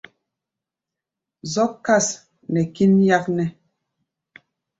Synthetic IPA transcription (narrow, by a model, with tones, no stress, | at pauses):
zɔ˦kːa˦˨s | nɛ˨ki˦nja˦k̚nɛ˦